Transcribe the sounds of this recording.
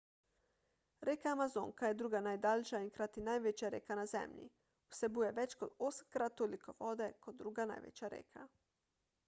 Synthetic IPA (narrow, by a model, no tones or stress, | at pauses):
ɾeːkaːmazoːŋkajɛd̪ɾuːɡanajd̪alʲʃaiŋkɾat̪inajʋet͡ʃjaɾḛːkanazɛ̰mʎḭ | usɛbujɛʋɛt͡ʃkod̪osmkɾat̪ːolikʰoʋoːd̪ɛkod̪ːɾuɡana̰jʋɛ̰t͡ʃjaɾḛːkʰa̰